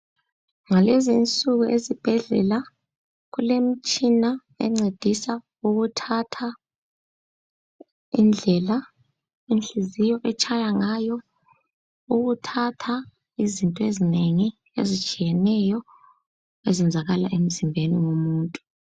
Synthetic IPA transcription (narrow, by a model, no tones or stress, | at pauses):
ŋalɛzint͡sʼuɣuʔezib̥ʱɛɮɛ̰la | ɣulem̩t͡ʃʼina | ɛ̰ŋ͡ǀed̥ʱisa | uɣutʰatʰa | ḭnd͡ɮʱɛla | enɬizijɔʔɛt͡ʃʰʼajaŋajɔ | uɣutʰatʰa | izintʼɔezineŋi | ḛzit͡ʃʼijɛnɛjɔ | ɛzɛnd͡zʱaɣala̰ʔem̩zimbʱeniŋomuːntʼu